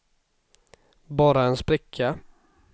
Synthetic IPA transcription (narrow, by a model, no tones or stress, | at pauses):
bɑːɾaɛnspɾɪkʰːa